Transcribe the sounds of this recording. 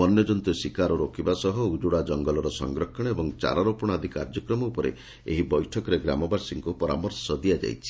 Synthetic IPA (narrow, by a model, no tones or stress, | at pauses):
ɔnjɔd͡ʒɔnt̪usikaɾɔɾokʰibasɔɦɔud͡ʒuɽad͡ʒɔŋɡɔlɔɾɔsɔ̰ŋɡɾɔkʰːɔɽ̃ɔebɔŋt͡ʃa̰ɾɔɾopɔɽ̃ad̪ʱika̰ɾd͡ʒɔkɾɔmɔupɔɾḛ | ḛɦibɔjʈʰɔkɔɾeɡɾa̰mɔbaɾsiŋkupɔɾa̰mɔɾsɔd̪iad͡ʒa̰jt͡ʃʰi̥